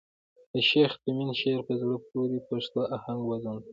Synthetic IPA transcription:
əʃext̪əminʃeɾpəzɽəp̚oɾipaʂt̪oʔahaŋɡwazun

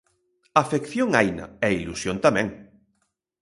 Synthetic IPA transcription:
afekθjoŋajnɐ̰ɛilusjont̪amɛ̃ŋ

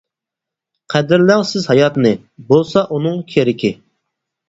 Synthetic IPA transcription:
qʰæd̪ɪɾlæŋsɪzhɑjɑt̪nɨ | bolˠsɑʔunɨŋkʲʰeɾɪkʲɪ

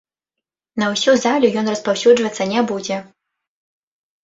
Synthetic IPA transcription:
nɐwsʲuzalʲujɔnrɐspawsʲud͡ʐvɐt̪sːɐnʲabud͡zʲɛ

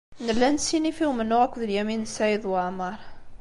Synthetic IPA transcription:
nəlːænsinifiwmənːʊʁækʷːðəljæminsæjəðˤwəʕməɾˤ

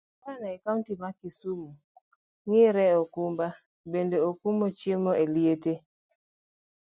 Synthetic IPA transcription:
kanaɛkatibakisumu | ŋɪɾɛɔkumba | bendeokumot͡ʃjemɔʔeliete

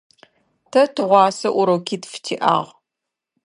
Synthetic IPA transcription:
tʰɐtʰɨʁʷɑːsɐʔʷʊɾɐwkʲʰiːtfɨ̥tʰiːʔa̰ːʁʷ

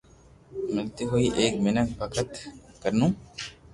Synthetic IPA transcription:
milt̪iɦuiʔeːk̚minɐk̚pɐkʰɐt̪kɐɾnuŋ

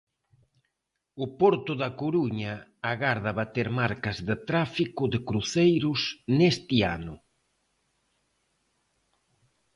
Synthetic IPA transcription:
ʊpɔɾt̪ʊðɐkoɾuɲɐːɣaɾðaβat̪eɾmaɾkɐzðɪt̪ɾafikʊðɪkɾuθejɾʊsnest̪ɪa̰nʊ

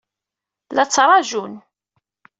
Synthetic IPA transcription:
læt͡sːɾˤɑʒun

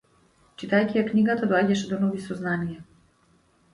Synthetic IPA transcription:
t͡ʃit̪ajcijaknʲiɡat̪ad̪ɔaɟɛʃɛd̪ɔnɔvisɔznanijɛ

